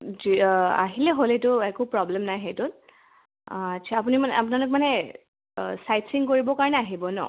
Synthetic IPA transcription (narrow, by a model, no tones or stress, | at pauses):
zia̰ɦilɛɦoletʊɛkupɹɔblɛmnajxejtʊt | att͡ʃʰaapunimnap̬nalɔk̚manɛ | sajtsiŋkoɹibɔkaɹɔnɛaɦibɔnɔ̰